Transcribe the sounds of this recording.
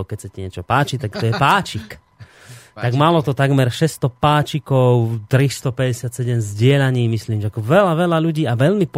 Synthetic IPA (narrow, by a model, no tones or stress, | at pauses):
ʊkɛcsacaɲɪɛt͡ʃɔpaːt͡ʃit̪akt̪ɔjɛpaːt͡ʃik | t̪aɡmalɔt̪ɔt̪aɡmɛɾʃɛst̪ɔpaːt͡ʃikɔʊt̪ɾist̪ɔpɛɟɛsɪat̪sɛɟɛmzɟɪɛʎaɲiːmisliːmʒɛakɔʋɛlaʋɛlaʎuɟiːaʋɛʎmip